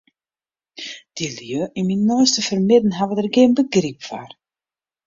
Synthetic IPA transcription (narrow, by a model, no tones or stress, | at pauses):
d̥iljøʔiminːɔːstəfərmɪdn̩ɦavədərɡɪənbəɡripfa̰r